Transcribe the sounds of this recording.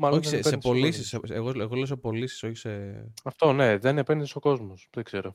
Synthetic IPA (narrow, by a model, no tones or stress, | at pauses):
maoçisesepolisiseeɣoeɣoles̬opo̞lisi̥so̞çi̥seɐft̪o̞ne̞ðenepenðisoko̞zmosðeɡz̥e̞ɾo